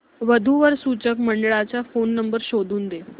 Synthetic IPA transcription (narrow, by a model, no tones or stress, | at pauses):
ʋəd̪ʱuʋəɾsut͡ɕəkməɳɖəɭat͡ɕjafonːəmbəɾɕod̪ʱuːnd̪e